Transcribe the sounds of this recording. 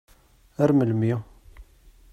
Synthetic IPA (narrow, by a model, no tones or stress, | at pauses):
æɾməlmi